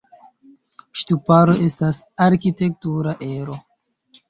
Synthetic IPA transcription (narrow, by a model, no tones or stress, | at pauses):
ʃtupaɾo̞ʔe̞stas | aɾkite̞k̚tuɾaʔe̞ɾo̞